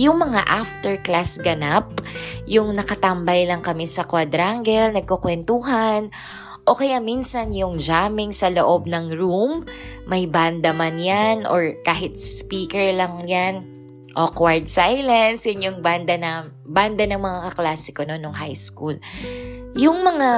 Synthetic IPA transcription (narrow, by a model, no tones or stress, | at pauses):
jʊŋmɐŋa̰ʔaft̪ɛɹklasɡɐnap̚jʊŋnɐkɐt̪ɐmbɐjlɐŋkɐmɛsɐkwad̪ɾaŋɡɛlnɐɡ̚kokwɛnt̪uɦan | ʔokɐjaminsɐnjʊŋd͡ʒaːmɪŋsɐloʔo̞b̚nɐŋɹumːɐjband̪ɐmanjanʔoɹkaːɦɪt̪̚sspiːkɛɹlɐŋjan | ʔokwaɹd̪̚sajlɐnsjʊnjʊŋband̪ɐnɐ | band̪ɐnɐŋmɐŋakɐklaːsɪkononoŋɦajskul | jʊŋmɐŋa